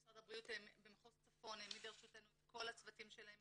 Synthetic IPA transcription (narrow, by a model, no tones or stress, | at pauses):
sʁadabʁiutembemχost͡safo̞nemideʁʃutenuetkʰo̞lat͡svatimʃelaem